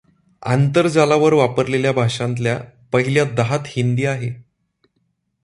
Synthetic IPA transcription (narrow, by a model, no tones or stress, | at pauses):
a̰nt̪əɾd͡zalaʋəɾʋapəɾleljabʱaʂãnt̪ljapəɦiljad̪aɦat̪hind̪iːaɦe